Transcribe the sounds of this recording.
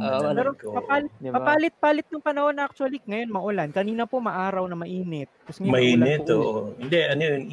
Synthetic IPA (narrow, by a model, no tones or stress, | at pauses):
ɐɾopɐpaːlɪt̪pɐpaːlɪt̪̚paːlɪt̪̚nʊŋpɐnɐho̞nɐʔak̚t͡ʃʊɐliŋɐjo̞nmɐʔʊlankɐniːnɐpo̞mɐʔaːɾɐwnɐmɐʔiːnɛt̪̚kɐsmɛmɐʔiːnɛt̪oʔhɪnd̪ɛʔɐnojʊn